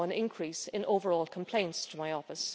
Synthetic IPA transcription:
ə̃nɪ̃nkʰɹ̥isɪ̃nʔoʊvə˞ɔːlˠkʰə̃m̩pʰl̥ẽɪ̃ntstʰəmaɪɔfɪs

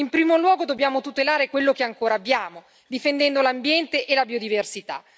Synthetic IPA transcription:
impɾiːmolwɔːɡod̪obːjaːmot̪ut̪elaːɾekwelːokeaŋkoːɾaːbːjaːmo | d̪ifend̪ɛnd̪olambjɛnt̪eʔelabiod̪iversit̪a̰

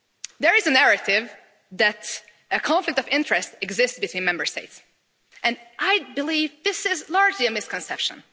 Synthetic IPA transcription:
ðə˞ɨzɨnæɹɨɾɪv | ðɨt | ɨkʰɑ̃ɱflɨk̚tʌvɪ̃nt͡ʃɹ̥ɨstɨɡzɪstsb̥ɨtʰw̥ĩnmɛ̃mbə˞steɪts | ʔɨ̃nʔaɪbɨlivðɪsɪzlɑɹd͡ʒliɨmɪskʰɨ̃nsɛpʃə̰̃n

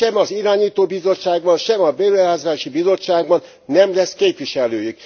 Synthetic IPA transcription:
ɛmɒziɾaːɲiːt̪oːbizo̞t͡ʃːaːɡbɒnʃɛmɒbeːlɛɦaːzaːʃibizo̞t͡ʃːaːɡ̚bɒnːɛmlɛskeːpʋiʃɛlːøːjyk̚

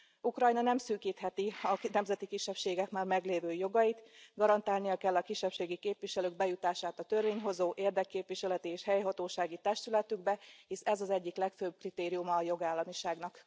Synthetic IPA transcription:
ukrɒjnɒnɛmsyːkiːt̪hɛt̪iɒnɛmzɛt̪ikiʃːɛpʃeːɡɛkmaːrmɛɡleːvøːjo̞ɡɒjit̪ɡɒɾɒnt̪aːlnijɒkɛlːɒkiʃːɛpʃeːɡikeːpʋiʃɛløːɡ̚bɛjut̪aːʃaːt̪ɒt̪ø̞rveːɲɦo̞zoːʔeːrd̪ɛkːeːpʋiʃɛlɛt̪ieːʃhɛjɦɒt̪oːʃaːɡit̪ɛʃt̪ylɛt̪yɡbɛhisɛzɒzɛɟːiklɛkføb̚krit̪eːɾijumɒːjo̞ɡaːlːɒmiʃaːɡnɒk

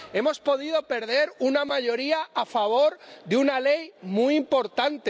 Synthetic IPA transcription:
e̞mo̞spo̞ðiðo̞pe̞ɾðe̞ɾunamaʝo̞ɾiaafaβ̞o̞ɾðeunale̞jmuiimpo̞ɾt̪ant̪e

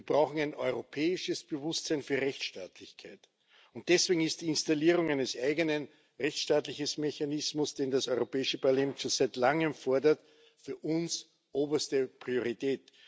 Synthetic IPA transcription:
vɐb̥ʁɑʊxŋ̩æɪnɔʏʁopʰɛːɪʃəsb̥əvʊstsæɪnfyːɐʁɛçtʃtaːtlɪçkʰaɪt | ʊnt̚d̥ɛsv̥eːɡŋ̩ɪst̚d̥iːɪnstaliːʁ̞ʊŋæɪnəsʔæɪɡənən | ʁɛçʃtaːtlɪçəsmeçanɪsmʊsd̥eːndasɔʏʁopɛːɪʃəpalɛːmt͡ʃusæɪtlaŋəmfɔɐdɐt | fyːɐʔʊns | ʔoːbɐstəpʁ̥ioʁitɛːt̚

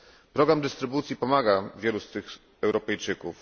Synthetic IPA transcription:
pɾɔɡɾamd̪ɘst̪ɾɘbut̪sʲjipɔmaɡavʲjɛlust̪ɘx | ɛwɾɔpɛjt͡ʂɘkuf

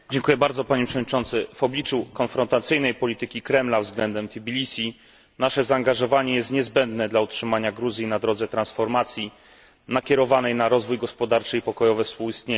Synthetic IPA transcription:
d͡ʑɛŋkujɛbaɾd̪zɔpaɲɛpʂɛvɔd̪ɲit͡ʂɔ̃nt̪sɘv̥ɔblʲit͡ʂukɔnfɾɔnt̪at̪sɘjnɛjpɔlʲit̪ɘkʲikɾɛmlavzɡlɛnd̪ɛmt̪ʲibʲilʲisʲi | naʂɛzaːŋɡaʐɔvaɲɛjɛst̪ɲɛzbɛnd̪nɛd̪lautʂɘmaɲaɡɾuzʲjinad̪ɾɔd̪zɛt̪ɾãnsfɔɾmat̪sʲji | nakʲjɛɾɔvanɛjnaɾɔzvujɡɔspɔd̪aɾt͡ʂɘipɔkɔjɔvɛfspuwist̪ɲe

